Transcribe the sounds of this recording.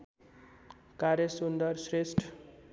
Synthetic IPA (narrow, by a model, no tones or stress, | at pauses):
kaɾjʌsund̪ʌrsresʈʰ